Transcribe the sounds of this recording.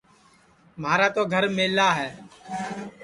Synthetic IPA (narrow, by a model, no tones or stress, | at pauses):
maːɾaːt̪oːɡʱəɾmeːlaːɦɛː